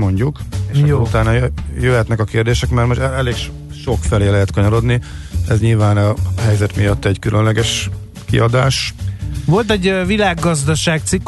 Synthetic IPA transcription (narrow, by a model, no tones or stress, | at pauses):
mo̞ɲɟukeːʃut̪aːnɒjjøɦɛt̪nɛkɒkeːrd̪eːʃɛkmɛrmoʃt̪ɛɛleːkʃ | ʃo̞kfɛleːlɛɦɛt̪kɒɲɒɾo̞d̪niɛzɲilvaːnɒɦɛjzɛt̪mijɒt̪ːɛɟkylʔønlɛɡɛʃ | kḭɒd̪aːʃvo̞lt̪ɛɟvilaːɡːɒzd̪ɒʃaːkt̪sikː